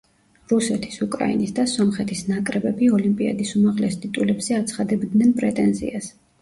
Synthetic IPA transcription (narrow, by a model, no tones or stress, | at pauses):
ɾusɛt̪ʰi̥sukʼɾa̰ḭnisd̪asɔmχɛt̪ʰisnakʼɾɛbɛbiɔlimpʼia̰d̪isumaʁlɛsd̪ʼit̪ʼulɛbz̥ɛat̪sʰχad̪ɛbd̪nɛnpʼɾɛt̪ʼɛnzḭas